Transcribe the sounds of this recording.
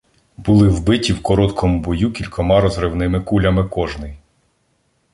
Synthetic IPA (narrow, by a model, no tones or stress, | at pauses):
bʊlˠɪwbɪtʲiwkɔɾɔt̪kʰɔmubɔjukʲilʲkʰɔmɑɾɔzɾɪwnɪmɪkulʲɐmɪkɔʒnɪj